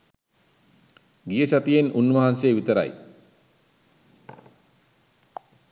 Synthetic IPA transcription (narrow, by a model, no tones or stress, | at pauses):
ɡijəsat̪ijenunʋɐɦansejːʋit̪əɾa̰j